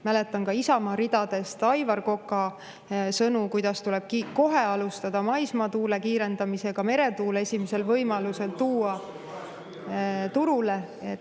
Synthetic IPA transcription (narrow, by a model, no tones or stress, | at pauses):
mæle̞t̪ːˑɑnkɑisɑmɑɾid̪̥ɑd̪̥e̞st̪ɑjvɑrko̞kːˑɑ | sɤnukujd̪̥ɑst̪ule̞b̥̚kiko̞ɦe̞ɑlust̪ɑd̪̥ɑmɑjsmɑt̪uːle̞kiːɾe̞nd̪̥ɑmise̞ɡ̥ɑme̞ɾe̞t̪uːle̞sʲimese̞lvɤjmɑluse̞lt̪uːɑ | t̪uɾule̞ | e